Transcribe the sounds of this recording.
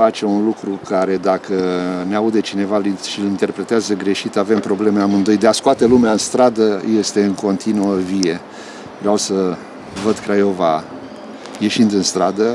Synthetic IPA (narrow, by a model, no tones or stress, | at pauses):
at͡ʃe̞unlukɾukaɾe̞d̪akəneaud̪e̞t͡ʃine̞valʃilint̪e̞rpɾe̞t̪eazəɡɾe̞ʃit̪ave̞mpɾo̞ble̞meamɨnd̪ojd̪easkoat̪e̞lumeaɨnst̪ɾad̪əje̞st̪e̞ɨŋko̞nt̪inuəvije̞ | vawsə | vəd̪kɾajo̞va | je̞ʃind̪ɨnst̪ɾad̪ə